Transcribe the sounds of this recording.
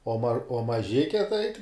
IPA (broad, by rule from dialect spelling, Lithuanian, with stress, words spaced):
oː mɐr oː mɐˈʒʲɪkʲɛ tɐɪ